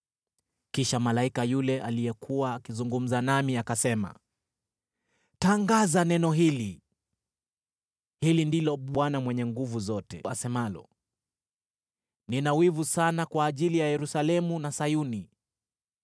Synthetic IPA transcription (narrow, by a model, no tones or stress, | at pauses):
kiʃamalaikajulɛʔalijɛkʰuwaːkizuŋɡum̩zanamiakasɛma̰ | taŋɡazanɛnɔɦili | hilindilɔɓwanamwɛɲɛŋɡuvuzɔtɛ̰asɛmalɔ̰ | ninawivusanakwaːʄilijajɛɾusalɛmunasajuni